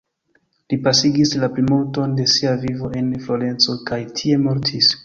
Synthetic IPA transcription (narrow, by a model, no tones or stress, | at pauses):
lipasiɡislaplimulto̞nde̞siavivo̞e̞nflo̞ɾe̞nt͡so̞kajtʰie̞mo̞ɾtʰis